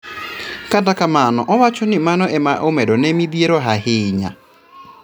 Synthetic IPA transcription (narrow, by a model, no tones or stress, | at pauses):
kadakamanɔʔɔwat͡ʃɔnɪmanɔʔɛmaʔomɛdɔnɛmiðieɾɔɦahɪɲa̰